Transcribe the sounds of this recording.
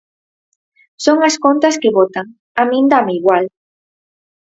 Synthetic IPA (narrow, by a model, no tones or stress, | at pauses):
soŋaskont̪ɐskeβot̪aŋ | amĩnd̪ameiɣwal